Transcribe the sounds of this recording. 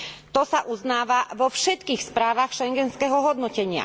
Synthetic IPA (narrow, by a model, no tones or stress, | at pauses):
t̪ɔsaʔuznaːʋaʋɔfʃɛt̪kiːxspɾaːʋaxʃɛŋɡɛnskɛɦɔɦɔd̪nɔcɛɲɪa̰